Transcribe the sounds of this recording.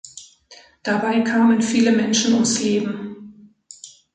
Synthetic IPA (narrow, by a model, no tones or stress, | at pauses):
d̥abaɪkʰaːmənfiːləmɛnʃn̩ʊmsleːbm̩